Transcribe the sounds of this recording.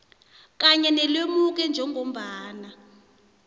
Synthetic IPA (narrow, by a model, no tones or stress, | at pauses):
k̬aɲɛnɛlwemuk̬ɛnd͡ʒʱɛŋɡʱom̩ɓaːna